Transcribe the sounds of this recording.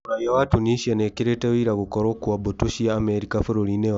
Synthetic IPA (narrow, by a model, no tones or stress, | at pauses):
ajawatuniʃianekiɾetewiɾaɣukoɾokuwabotuʃijaːmeɾikafuɾoɾine